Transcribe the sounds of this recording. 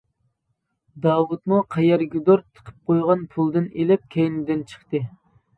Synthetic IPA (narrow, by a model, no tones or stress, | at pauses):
d̪ɑːwut̪muqʰɛjɛɾɡʲyd̪oɾt̪ʰə̥qʰə̥p̚qʰojʁɑnpʰulˠd̪ɨnelɪp̚kʲʰejnɪd̪ɪnt͡ʃʰə̥χt̪ɨ